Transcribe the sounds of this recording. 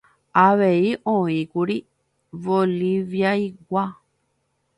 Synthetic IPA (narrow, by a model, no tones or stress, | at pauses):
aβeiʔõĩkuɾi | βoliβjaiɡʷa